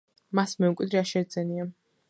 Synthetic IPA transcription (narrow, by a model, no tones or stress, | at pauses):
masmɛukʼid̪ɾiaʃɛɾd̪zɛnia